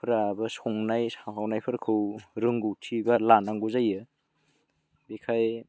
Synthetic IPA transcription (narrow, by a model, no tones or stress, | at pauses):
pʰɾabɐsɔŋnajsawɦawnajpʰɯɾkʰɯwɾɯŋɡutʰibalanaŋɡuzajɯ | bikʰaj